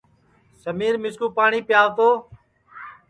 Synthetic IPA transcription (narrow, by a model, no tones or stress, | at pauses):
səmiːɾmɪskuːpaːɳiːpjaːʋt̪oː